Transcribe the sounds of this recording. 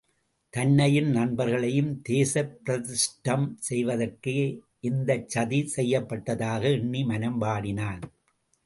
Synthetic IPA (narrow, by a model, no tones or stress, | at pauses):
t̪ɐnːɐjɪnnɐɳbɐɾɣɐɭɐjɯmt̪eːsɐpːɪɾɐðɪsʈɐmsɛjʋɐðɐrkɯ | ʔɪnd̪ɐt͡ʃːɐðisɛjːɐpːɐʈːɐðaːɣɐɪɳːimɐnɐmbaːɽɪnaːn